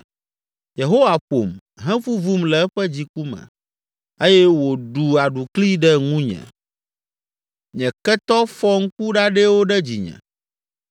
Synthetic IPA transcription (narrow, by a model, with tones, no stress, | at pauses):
je˨ɦo˦wa˨ɸo̰˨m | ɦɛ̃˦fu˦vu˦mlɛ˨ɛ˦ɸɛ˦d͡ʑi˨ku˦mɛ̰̃˨ | e˦jɛ˦wo˨ɖu˨a˨ɖu˨kli˦ɖɛ˦ŋũ˦ɲɛ̰̃˨ | ɲɛ̃˨kɛ˦t̪ɔ˦fɔ˦ŋ̩˦k̚u˦ɖa˦ɖɛ˦wo˦ɖɛ˦d͡ʑḭ˨ɲɛ̰̃˨